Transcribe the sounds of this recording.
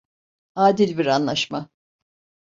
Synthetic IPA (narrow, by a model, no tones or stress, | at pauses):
aːd̪ilʲbiɾanlˠaʃma